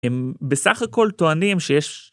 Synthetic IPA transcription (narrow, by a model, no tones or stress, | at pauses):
embesaχako̞lt̪oanimʃejeʃ